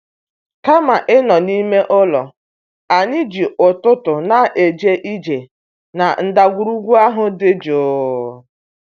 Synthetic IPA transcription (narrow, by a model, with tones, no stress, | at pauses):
ka˦ma˨ʔɪ˦nɔ˨ni˦me˦ʔɔ˦lɔ˨ | a˨ɲɪ˦d͡ʒi˨ʔʊ˨tʊ˦tʊ˨na˨ʔe˨d͡ʒe˦ʔi˦d͡ʒe˨ | na˨n̩˦˨da˨ɡʷu˨ɾu˦ɡʷu˦a˦ɦʊ˨dɪ˦d͡ʒo˨˦